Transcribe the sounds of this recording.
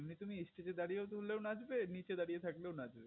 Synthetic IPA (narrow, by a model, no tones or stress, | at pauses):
mnit̪umiisʈed͡ʑed̪aɽijet̪olewnad͡ʑbenit͡ɕed̪aɽijet̪ʰaklewnad͡ʑbe